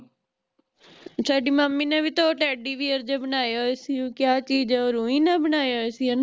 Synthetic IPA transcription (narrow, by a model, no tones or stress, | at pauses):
saːɖiːmaːmːiːnẽːʋiːt̪oːʈɛːɖiːʋiːəɾd͡ʒaːbənaːjaːesiõːkjaːt͡ʃiːd͡ʒɛːoːɾũːĩːnãːbənaːjaːesiãːn